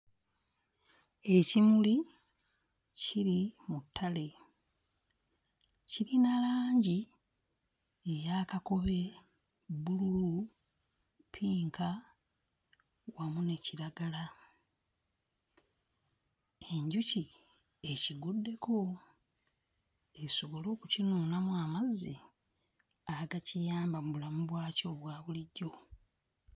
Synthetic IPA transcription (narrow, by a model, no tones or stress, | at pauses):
e̞cimuli | ciɾimutʰːale̞ | ciɾinalaːɲɟi | ejakako̞βe̞ | bululu | pʰiːŋka | wamune̞ciɾaɡala | e̞ɲɟuci | e̞ciɡudːe̞ko | eso̞βo̞lo̞ːkucinuːnamwaːmazi | aɡacijaːmbamuβulamuβwaːco̞βwaːβuliɟːo̞